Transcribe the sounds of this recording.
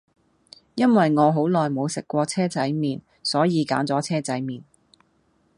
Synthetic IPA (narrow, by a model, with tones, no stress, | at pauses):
jɐ˥nwɐ˨jŋɔː˨˧ɦo˨˥wlɔː˨jmo˨˧wsɪ˨kːʷɔː˧t͡sʰɛː˥t͡sɐ˨˥jmiː˨˩n | sɔː˨˥jiː˨˧ka̰ː˨˥nt͡sɔː˨˥t͡sʰɛː˥t͡sɐ˨˥jmiː˨n